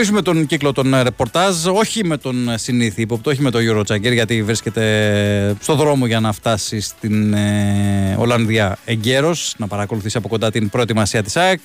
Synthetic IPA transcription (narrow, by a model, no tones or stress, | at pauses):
is̬ume̞t̪o̞nɟiklo̞t̪o̞nɾe̞po̞ɾt̪ɐzo̞çime̞t̪o̞nsiniθiipo̞p̚t̪eo̞çime̞t̪o̞ʝuɾo̞t͡sɐɟeɾʝɐt̪ivɾiscʲe̞t̪e̞ | st̪o̞ðɾo̞mo̞ʝɐnɐft̪ɐsist̪in | o̞̰lɐnðiɐe̞ɲɟe̞ɾo̞snɐpɐɾɐko̞luθisiɐpo̞kond̪ɐt̪inpɾo̞e̞t̪imɐsiɐt̪i̥sɐek